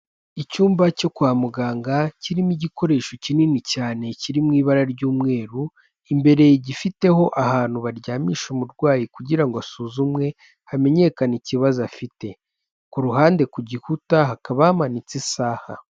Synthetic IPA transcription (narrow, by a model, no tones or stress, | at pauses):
icuːmbaco̞kwaːmuɡaːŋɡaciɾimiɟiko̞ɾe̞ːʃo̞cininicaːne̞ciɾimŋiːβaɾaɾɟuːmŋe̞ːɾu | imbe̞ɾe̞jiɟifite̞ho̞ʔaɦaːn̥uβaɾɟaːmiːʃumuɾɡwaːjikuɟiɾaŋɡoasuːzumŋe̞ | hame̞ɲe̞kaniciβazafite̞ | kuɾuɦaːnde̞kuɟihutaɦakaβaamanit͡sisaːha̰